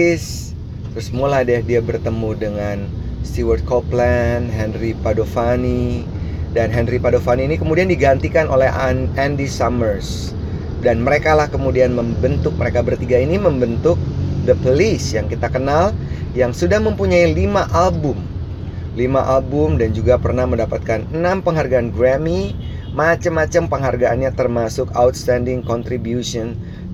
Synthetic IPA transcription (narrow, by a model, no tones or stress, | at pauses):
s | t̪ɾʊsmuladɛhdiabərt̪əmudəŋan | st̪iwərt̪̚koplɛnɦɛnripadofani | danɦɛnripadofaniːnikəmudiandiɡant̪ikanʔo̰lɛɦɛndisamərs | danməɾekalahkəmudianməmbənt̪ʊk̚məɾekabərt̪iɡainiməmbənt̪ʊk̚dəpolisjaŋkit̪akənaljaŋsudahməmpuɲailimaʔalbʊm | limaʔalbʊmdand͡ʒuɡapərnahməndapat̪̚kanənampəŋɦarɡaːnɡɾami | mat͡ʃamːat͡ʃampəŋɦarɡaʔːnɲat̪ərmasʊkawt̪st̪andɪŋkɔnt̪ɾibjusɔn